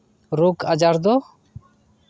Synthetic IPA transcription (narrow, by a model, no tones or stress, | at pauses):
ɾukad͡ʒaɾd̪ɔ